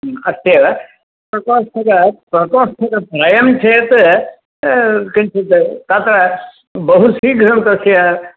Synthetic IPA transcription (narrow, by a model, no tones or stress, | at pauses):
ɐst̪eʋɐ | pɾɐkoːsʈɐkɐpɾɐkoːʂʈʰɐkɐpɾɐjɐmt͡ʃʰeːt̪ | kɐnt͡ʃʰet̪t̪aːt̪ɾɐ | bɐɦusiːɡɾɐmt̪ɐsjɐ